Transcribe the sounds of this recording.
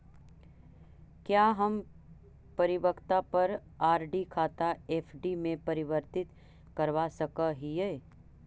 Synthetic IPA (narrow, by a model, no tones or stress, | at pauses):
kjaːɦɐm | pɐɾɪʋəkʰt̪apɐɾ | aːɾɖikʰaːt̪aeːfʰɖimẽpɐɾɪʋəɾt̪ɪt̪ | kɐɾʋasɐkaɦieː